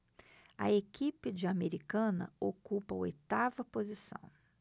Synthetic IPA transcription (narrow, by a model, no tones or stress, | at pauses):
ɐ̰ekipɪd͡ʒɪameɾikɐ̃nɐ̰okupɐo̰jt̪avɐpozisɐ̰̃w̃